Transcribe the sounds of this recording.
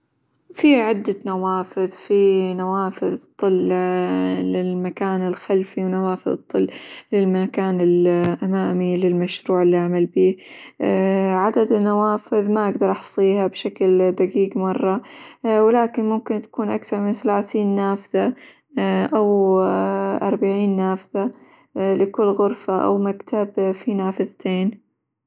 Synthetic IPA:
fiʕɪd̪ːanawaːfɪðfinawaːfɪðt̪ˤːɨl | lɪlmakaːnɪlxalfiwnawaːfɪðt̪ˤːɨlːlɪlmakaːnɪlʔamaːmilɪlmaʃɾuːʕɪlːiʔaʕmalbiː | ʕad̪ad̪ɪnːawaːfɪðmaʔaɡd̪ɑɾˤʔɑħsˤiːhabʃakld̪aɡiːɡmɑrˤːɑwɪlaːkɪnmʊmkɪnt̪ḁkuːnʔakθɑɾˤmɪnθalaːθiːnːaːfða | ʔaw | ʔɑ̰ɾˤbaʕiːnːaːfða | lɪkʊlːɣʊɾfaʔa̰wmakt̪abfinaːfɪðt̪ʰeːn

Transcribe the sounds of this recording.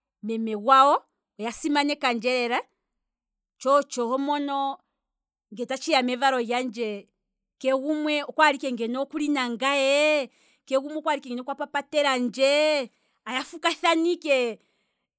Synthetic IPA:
mɛmɛwaɔ | ɔjasimanɛkand͡ʒɛɾɛɾa | t͡ʃɔt͡ʃɔhɔmɔnɔ | ŋɡɛtat͡ʃijamɛvaɾɔjand͡ʒɛ | kɛɣumwɛɔkwaɾikɛŋɡɛnɔkuɾinaŋɡajɛ | kɛwumwɛkwaɾikɛŋɡɛnɔkwapapatɛɾand͡ʒɛ | ajafukaθanikɛ

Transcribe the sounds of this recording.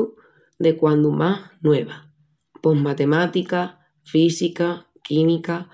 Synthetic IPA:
u | d̪ekwand̪umahnweβa | pohmat̪emat̪ika | fisika | kimika

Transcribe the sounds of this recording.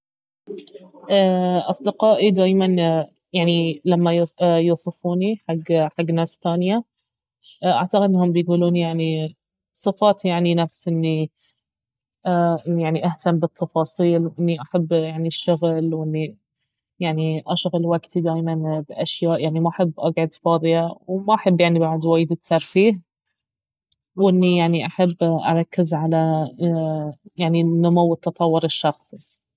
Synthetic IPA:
ʔaːʔɑsˤd̪ɪqɑːʔid̪aːjman | jaʕnilamːajjuːsˤɨfuːniħaɡːħaɡːnaːsθaːnja | ʔa̰ʕt̪aɣɪd̪ʔɪnɦʊmbɪjɡuːluːnjaʕni | sˤɨfɑːt̪jaʕninafsʔɪnːi | aʔjaʕniʔaht̪ambɨt̪ʰːɑfɑːsˤiːlwʔɪnːiʔaħabːjaʕniʃʊɣlwʔɪnːi | jaʕniʔaʃɣʊlwaɡt̪id̪aːjmanbɪʔaʃjaːʔjaʕnimaʔaħabːʔaɡʕʊd̪fɑːd̪ˤɨjawmaʔaħabːjaʕnibaʕʊd̪waːjɪd̪ɪt̪ʰːɑɾˤfiːɦ | wʔɪnːijaʕniʔaħabːʔa̰ɾˤɑkːɪzʕala | jaʕninːamuwːɪt̪ːɑt̪ˤɑwːʊɾɪʃːɑxsˤi

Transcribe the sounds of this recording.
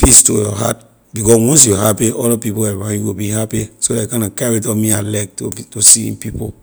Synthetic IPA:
pʰisto̰jɔ̰ɦa̰t | bikɔswɔ̃ns̬juɦapiʔɔdapipowɛɹãjubihapisodakãnakaɹitɔmialɛk̚totosiḭ̃npipo̰

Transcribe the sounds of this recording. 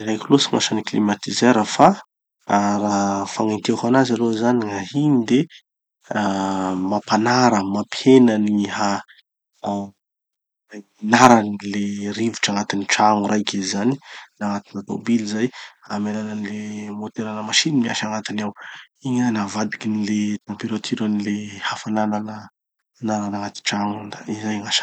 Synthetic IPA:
iɾajkʲilosimaʃaniklḭmat̪izeɾəfa | aɾafaŋent̪iakanazalozaniŋaɦinid̪e | mapanaɾəmapʰienənia | aminaɾanleɾivi̥ʈ͡ʂaŋat̪iniʈ͡ʂaŋuɾajkʲizani̥naŋat̪inat̪o̰bilizajamenanənilemot̪eɾanəmaʃinimia̰ʃaŋat̪inaw | iɲənavad̪ikinilet̪ãmpeɾot̪ʰiɾanilehafanananə | naɾanaŋat̪i̥ʈ͡ʂaŋunaizajaŋaʃḁ

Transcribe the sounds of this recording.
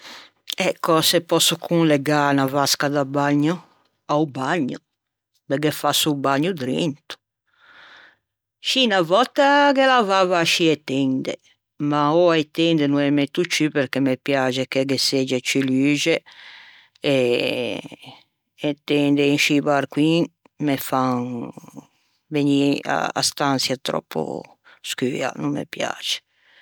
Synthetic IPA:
ɛkːɔsɛpɔsukʰunlɛɡanavaskad̪abaɲːu | aubaɲːṵ | bɛɡɛfasubaɲːud̪ɾḭnt̪u̥ | ʃinavɔt̪ːaɡelavavaʃiɛt̪ːɛnd̪ɛ | maoaet̪end̪enuɛmɛt̪ut͡ʃypeɾkemepjaːt͡ʃekeɡesed͡ʒet͡ʃilyːʒe | e | et̪ɛnd̪einʃibaɾkwiŋ | mefaŋ | veɲia̰a̰st̪ansjat̪ɾɔ̰pʰːo̰ | skyːa̰nummḛpja̰t͡ʃe̥

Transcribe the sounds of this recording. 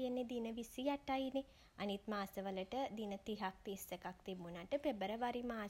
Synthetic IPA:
jənːed̪inəʋisijaʈːaine | a̰nit̪maːsəʋələʈəd̪inət̪iɦak̚t̪isəkak̚t̪ibunaʈəpebəɾəʋaɾimaː

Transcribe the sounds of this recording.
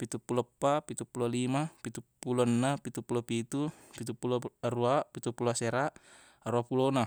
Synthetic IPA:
pit̪upulopːapit̪upulolimapit̪upulonːapit̪upulopit̪upit̪upuloɾuapit̪upuloaseɾaʔ | ɾuapulona

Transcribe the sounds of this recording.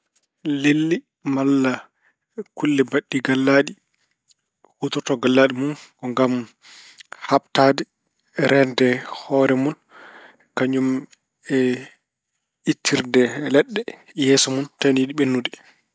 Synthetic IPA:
lelːi | malːa | kulːɛbaɗːiɡalːaːɗi | hutɔtɔɡalːaɗimumkɔŋɡam | haɓtaːdɛ | ɾɛndɛhɔɾɛmun | kaɲum | ɛ | itʰːiɾdɛlɛɗːɛ | jɛːsɔmuntaniɗiɓenːudɛ

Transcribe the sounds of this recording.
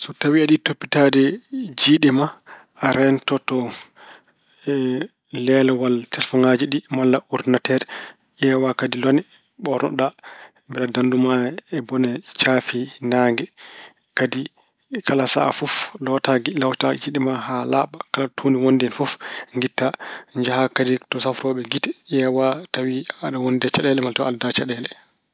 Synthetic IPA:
sɔtawiaɗitopːitadɛd͡ʒiːɗɛma | ʔaɾɛntɔtɔ | lɛlɛwaltʰɛlɛfɔŋad͡ʒiɗimalːaʔɔɾdinatɛɾ | ɛɛwakadilɔnɛ | ɓɔɾɔ̰ɗa | mbɛladandumajːbɔnɛt͡ʃaːfinaːŋɡɛ | kadi | kalasa̰fɔflɔtaɡilawtait͡ʃiɗimahalaɓakalatʰoniwondɛnfɔfŋɡitːaɲd͡ʒaɦakaditɔsafɾɔɓɛɡitɛ̥ʔɛwatawiaɗawondɛt͡ʃaɗɛlɛmaltɔaldat͡ʃaɗɛlɛ

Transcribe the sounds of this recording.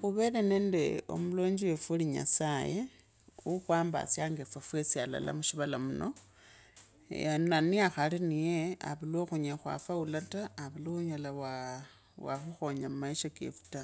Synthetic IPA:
xuβe̞leneːndeo̰muloːɲd͡ʒiwe̞fuliɲa̰saje | wuxwaːmba̰sjaŋɡefafwesiala̰la̰muʃiβalamuno | annaniaxalinijea̰βiloxuɲexwa̰faulataːβiloxuɲalawa | waxuxo̞ɲammaiʃakḛfu̥ta

